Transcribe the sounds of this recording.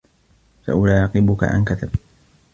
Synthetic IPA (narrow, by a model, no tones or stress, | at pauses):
sa̰ʔʊlaːqɪbʊka̰ʔa̰nkat̪ab